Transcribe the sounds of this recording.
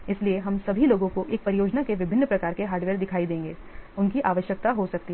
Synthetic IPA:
ɪslieɦɐmsɐbʱiloːɡõkoʔeːk̚pɐɾɪjoːd͡ʒnakeʋɪbʱɪnːəpɾɐkaːɾkeɦaːɾɖʋeːɾd̪ɪkʰaːid̪ẽːŋɡeːʊnkiʔaːʋəʃjək̚t̪aɦosɐk̚t̪iɦɛ

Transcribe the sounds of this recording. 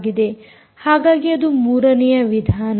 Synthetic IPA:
ɡid̪e̞ | haːɡaːɡiɐd̪umuːɾɐnijɐʋid̪ʱaːn

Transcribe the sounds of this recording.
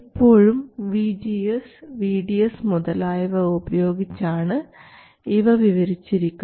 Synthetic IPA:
ipːo̞ːɻumʋiːd͡ʑijesʋiːɖijɐsmuðɐlaːjɐʋɐubɐjo̞ːɡit͡ɕːaːɳɨ | iʋɐʋiʋɐɾit͡ɕːiɾikʲːum

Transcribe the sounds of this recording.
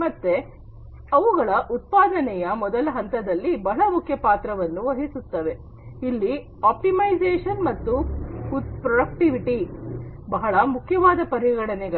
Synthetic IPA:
mɐt̪ːe̞ | ɐʋuɣɐɭɐʔut̪̚paːd̪ɐnɛjɐmɔd̪ɐlɐɦɐnt̪ɐd̪ɐlːibɐɭɐmukʰjɐpaːt̪ɾɐʋɐnːuʋɐɦisut̪ːɐʋe | ilːi | aːp̚ʈimɐjzeːʂɐnmɐt̪ːuhut̪pɾɔɖɐk̚ʈiʋiʈibɐɦɐɭɐmukʰjɐʋaːd̪ɐpɐɾiɡɐɽɐnɛɡɐ

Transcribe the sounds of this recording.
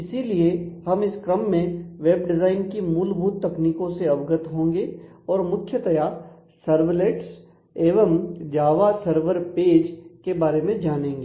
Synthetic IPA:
ɪsiliehɐmɪskɾəmːẽʋeːb̚ɖɪzaːɪnkimuːlbʱuːt̪ːɐkniːkõseɐʋɡət̪ɦõːŋɡeɔːɾmʊkʰːjət̪ɐja | sɐɾʋleːʈs | eːʋəmd͡ʒaːʋasəɾʋəɾpeːd͡ʒkebaːɾemẽd͡ʒaːnẽːŋɡeː

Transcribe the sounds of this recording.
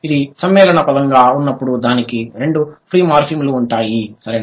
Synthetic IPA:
id̪isɐmːɛːlɐɳɐpɐd̪ɐŋɡaːunːɐpːuɽud̪aːnikiɾe̞ɳɖupʰɾiːmaːɾpʰimluːɳʈaːjisɐɾe

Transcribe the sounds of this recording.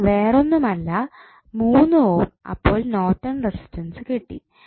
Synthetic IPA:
ʋeːro̞nːumɐlːɐ | muːnːɨoːmɐ̰pːo̞ːɭno̞ːtːɐnresi̥tːɐnsɨkeʈːḭ

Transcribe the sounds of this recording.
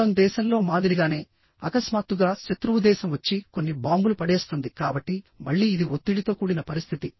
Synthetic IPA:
ɐmd̪ɛːʃɐmlo̞ːmaːd̪iɾiɡaːne̞ː | ɐkɐsmaːt̪ːuɡaːʃɐt̪ɾuud̪ɛːʃɐmʋɐt͡ʃːiko̞nːibaːmbulupɐɽeːst̪ond̪ikaːbɐʈːimɐɭːiːd̪iot̪ːiɽit̪oːkuːɽinɐpɐɾist̪ʰit̪i

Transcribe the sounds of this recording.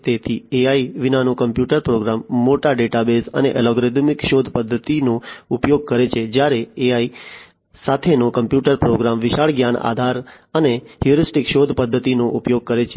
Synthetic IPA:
t̪et̪ʰieaiʋinanokəmpjuʈəɾpɾoɡɾamːoʈaɖeʈabesə̰neʔɛlɔɡɾed̪mikʃod̪ʱpəd̪ʱːət̪inoupjoɡ̚kəɾet͡ʃʰed͡ʒjaɾeeai | sat̪ʰenokəmpjuʈəɾpɾoɡɾamʋɪʃaɭɡjana̰d̪ʱaɾ | əneɦjuɾisʈikʃod̪ʱpəd̪ʱːət̪inoʔupjoɡ̚kəɾet͡ʃʰe

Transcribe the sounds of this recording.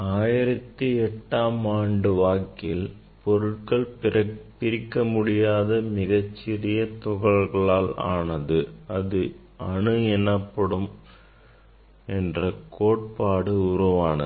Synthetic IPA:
aːjɪɾɐt̪ːiɛʈːaːmaːɳɖɯʋaːkɪl | pɔɾɯʈ̚kɐɭpɐpɪɾɪkːɐmʊɽɪjaːðɐmɪɣɐt͡ʃːɪɾɪjɐt̪ʊɣɐɭɣɐɭaːla̰ːnɐðɯɐðɯ | ɐɳɯɛnɐpːɐɽɯm | ɛndrɐkoːʈ̚paːɽɯʊɾuʋaːnɐ̰

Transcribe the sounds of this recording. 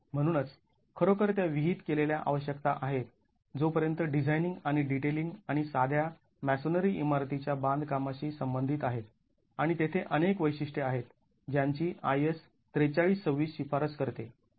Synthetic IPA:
m̤əɽ̃uːnət͡s | kʰəɾokəɾt̪̬jaʋiɦit̪keleljaʔa̰ʋəɕjəkt̪aʔaɦet̪ | d͡zopəɾjənt̪əɖid͡zʱajniŋɡaɽ̃iɖiʈeliŋɡaɽ̃isad̪ʱja | mæsonəɾiːʔimaɾt̪it͡ɕjabãnd̪ʱkamaɕiːsəmbənd̪ʱit̪aɦet̪ | aɽ̃it̪et̪ʰeʔənekʋəjɕiʂʈeaɦet̪ | d͡ʑjaɲt͡ɕiːʔajes | t̪ɾet͡saɭiːst͡səʋːiːsɕifaɾət͡skəɾt̪e

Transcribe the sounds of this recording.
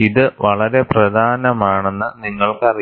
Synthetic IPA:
iðɨʋɐɭɐɾe̞prɐd̪ʱaːnɐmaːɳe̞nːɨniŋːɐɭkɨɐri

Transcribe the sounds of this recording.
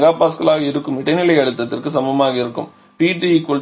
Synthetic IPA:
ɡaːpaːskɐlaːɣɐɪɾɯkːɯmɪɽɐɪnɪlɐɪɐɭɯt̪ːɐt̪ːɪrkɯsɐmbɐmaːɣɐɪɾɯkːɯ̰m | piːʈikʊl

